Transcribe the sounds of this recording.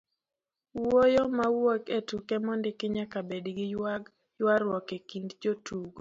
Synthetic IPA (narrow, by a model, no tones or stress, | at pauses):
wojɔmawoketukɛmɔndɪkɪɲakabedɡɪ | jwaɾwɔkekindd͡ʒotuɡo